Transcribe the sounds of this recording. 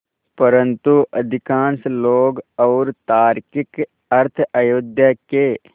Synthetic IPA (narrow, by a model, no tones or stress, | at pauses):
pəɾə̃nt̪uʔɐd̪ʱɪkãːnsloːɡɔːɾt̪aːɾkɪk | əɾt̪ʰajoːd̪jake